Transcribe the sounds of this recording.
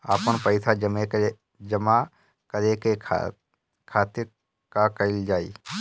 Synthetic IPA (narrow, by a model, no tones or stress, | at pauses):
aːpənpəɪsʰad͡ʒəmeke | d͡ʒəma | kəɾekḛ | kʰaːt̪ɪɾ | kakəɪld͡ʒaːḭː